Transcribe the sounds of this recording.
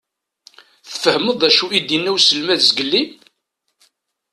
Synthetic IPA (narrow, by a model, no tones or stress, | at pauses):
θə̥fəhməðˤæʃuid̪inːæwsəlmæðzəɡəlːi